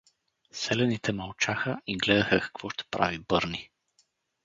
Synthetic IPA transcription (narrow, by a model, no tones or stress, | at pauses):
sɛlɛnit̪ɛmɐlˠt͡ʃaxəʔiɡlɛd̪əxəkɐ̥kv̥ɔʃt̪ɛ̥pɾa̰vibɤɾni